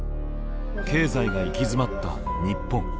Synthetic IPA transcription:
ke̞ːzaiɡaikʲizɨmat̪ːa̰ | ɲ̟ipːõ̞ŋ

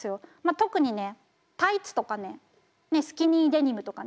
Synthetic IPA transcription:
sɨjo̞mat̪o̞kɯ̟ɲ̟ine̞ | t̪ait͡sɨ̥t̪o̞kane̞ | ne̞sɨ̥kʲiɲiːd̪e̞ɲ̟ʲimɯ̟t̪o̞ka

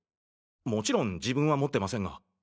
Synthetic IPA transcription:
mo̞t͡ɕiɾõ̞ɲd͡ʑibɯ̟̃ɰ̃βamo̞t̪ːe̞masẽ̞ŋɡa̰

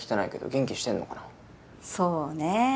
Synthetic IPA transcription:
i̥t̪enaike̞d̪o̰ɡẽ̞ŋkʲiɕi̥t̪ẽ̞nːo̞kana | soːne

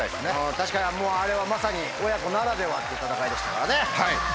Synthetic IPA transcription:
aiesnẽ̞t̪aɕi̥kaɲiamo̞ːaɾe̞βamasaɲ̟i | o̞jako̞naɾad̪e̞βat̪ːeit̪at̪akaid̪e̞ɕi̥t̪ḁkaɾane̞hai

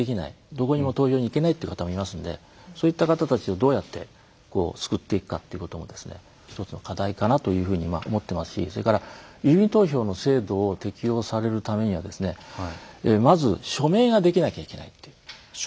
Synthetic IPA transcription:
ekʲina̰ḭ | d̪o̞ko̞ɲ̟imo̞t̪o̞ːçoːɲ̟ike̞nait̪ei̟kat̪amo̞imasɨ̃nd̪e̞̰ | so̞ːit̪ːakat̪at̪at͡ɕio̞d̪o̞ːjat̪ːe̞̰ | ko̞̰ːt͡sɨ̥kɯ̟t̪ːe̞ikɯ̟̥ka̰t̪ːe̞iɯ̟ko̞t̪o̞mo̞d̪e̞sɨnḛ | çi̥t̪o̞t͡sɨno̞kʰad̪aikanat̪o̞jɯ̟ːɸɯ̟ːɲ̟ima̰ʔo̞̰mo̞t̪ːe̞masɨ̥ɕḭso̞ɾe̞kaɾajɯ̟ːbʲĩnt̪o̞ːço̞ːno̞se̞ːd̪o̞ːt̪e̞kʲio̞ːsaɾe̞ɾɯ̟t̪ame̞ɲ̟iβad̪e̞sɨne̞ | emazɨɕo̞me̞ːɡad̪e̞kʲinakʲaike̞na̰it̪ːeɯ

